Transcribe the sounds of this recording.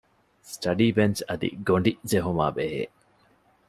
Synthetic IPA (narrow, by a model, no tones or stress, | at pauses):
sʈɐɖiːbent͡ʃɐd̪ḭɡoɳɖid͡ʒeɦuma̰ːbeɦḛː